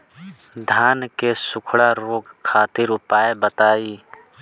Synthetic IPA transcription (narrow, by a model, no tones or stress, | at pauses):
d̪ʱaːnkesʊkʰɽaɾoːɡkʰːaːt̪ɪɾʊpaːebət̪aːiː